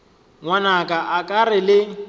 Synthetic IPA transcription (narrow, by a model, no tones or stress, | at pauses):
ŋwanakʼaʔakʼarɪlɪ